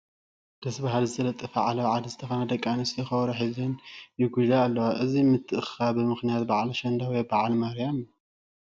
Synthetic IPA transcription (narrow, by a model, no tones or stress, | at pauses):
d̪̥ɐsbaɦalzɨt̪ʰɐlɐt̪ʼːɐfaʕalɐwʕad̪izɨt̪ʰɐxɐnad̪ɐkʼːanɨsɨɐxɐwɾuħizɨnjɪɡud͡ʒaːlːɐwaʔɨzimɨt̪ʰːɨʔɨxabɨmɨxnijat̪̚baʕaliʃɐnd̪awibaʕalmaɾijam